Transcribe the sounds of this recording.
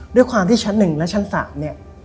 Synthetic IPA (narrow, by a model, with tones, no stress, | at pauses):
du˥˩əjkʰwaː˧mt̪ʰiː˥˩t͡ɕʰa˦˥nːɯ˨˩ŋlɛ˦˥t͡ɕʰa˦˥nsa̰ː˩˦mni˦˥˩ɐ